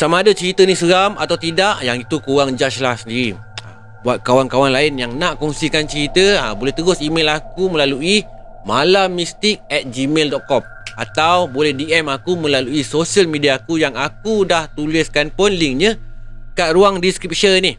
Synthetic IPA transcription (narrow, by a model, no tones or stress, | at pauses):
samaːdat͡ʃəɾit̪ənisəɾamat̪awt̪idaʔjaŋit̪ukuwaŋd͡ʒat͡ʃlahsəndiɾi | a | buat̪̚kawankawanlaɪnjaŋnaʔkɔŋsikant͡ʃəɾit̪əabolɛht̪əɾʊsimelakumə̃laluʔi | malamist̪ɪk̚ɛt̪̚d͡ʒimeldɔʔ̚kɔm | a̰t̪awbolɛhdiɛmakumə̃laluisosiəlmidiakujaŋakudaht̪ulɪskanpɔnliŋɲəkaʔɾuaŋdiskɾip̚ʃənih